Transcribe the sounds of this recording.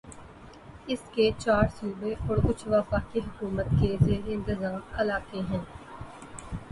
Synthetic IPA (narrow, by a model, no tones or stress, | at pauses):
ɪsket͡ʃaːɾsuːbeʔɔːɾʊt͡ʃʰʋafaːkiɦʊkuːmət̪kezeːɾeɪ̃nt̪ɪzaːmɐlaːkeɦɛ̃n